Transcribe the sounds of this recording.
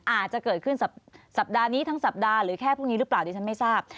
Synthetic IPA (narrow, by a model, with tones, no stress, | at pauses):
ʔaː˨˩t̪̚t͡ɕa˨˩kɤː˨˩t̪̚kʰɯ˥˩nsa˨˩p̚sa˨˩p̚daː˧niː˦˥t̪ʰa˦˥ŋsa˨˩p̚daː˧ɾɯː˩˦kʰɛː˥˩pʰu˥˩k̚ni˦˥ɾɯ˦˥plaː˨˩wt̪ʰiː˧t͡ɕʰa˦˥nma˥˩jsaː˥˩p̚